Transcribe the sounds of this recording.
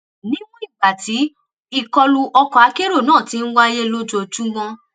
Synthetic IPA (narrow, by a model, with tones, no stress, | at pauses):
nĩ˦ɡ͡bɔ̃˦i˦˨ɡ͡ba˨ti˨˦ | i˧˨kɔ˧lu˧ʔɔ˧kɔ˨a˨˧ke˦ɾo˦˨nãː˦˨ti˨˦n̩˦wa˦je˦lo˦d͡ʒo˧˨d͡ʒũ˦ɡ͡bɔ̃˧